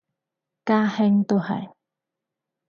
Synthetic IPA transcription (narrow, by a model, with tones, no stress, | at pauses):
kaː˥hɪ˥ŋt̪o˥˧hɐ̰˨j